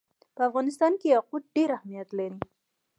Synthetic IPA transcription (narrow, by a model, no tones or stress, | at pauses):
pəafɣɑnɪst̪ɑnkeaqut̪̚ɖeɾahmijat̪laɾi